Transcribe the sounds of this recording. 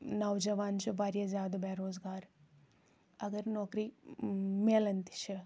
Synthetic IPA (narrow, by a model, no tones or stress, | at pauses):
nɐwd͡ʒɐʋaːnt͡ʃubaːɾjɐzaːd̪obeɾoːzɡaːɾ | ɐɡəɾnɔːkɾi | meːlɐnt̪i̥t͡ʃʰɐ